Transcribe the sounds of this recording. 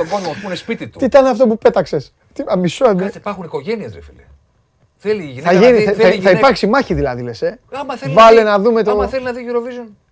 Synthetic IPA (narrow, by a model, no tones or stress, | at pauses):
omonoɐpunespit̪it̪uit̪ɐneɐft̪o̞pupe̞t̪ɐkse̞s | t̪iɐmisoɐsɐipɐɾxuniko̞ʝeniezɾefilḛ | θeliiθɐʝiniθɐɐθɐipɐɾksimɐçiðilɐðilesemɐθevɐlenɐðume̞t̪oɐθelinɐðiʝiɾovizun